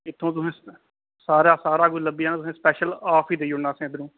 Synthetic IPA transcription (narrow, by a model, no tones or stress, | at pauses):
ɪt̪ʰːõːt̪ʊsẽː | saːɾaːsaːɾaːɡuləbiːaːnaːt̪ʊsẽːspɛːʃəlaːpʰiːd̪eiːʊɳnaːsẽːd̪əɾũː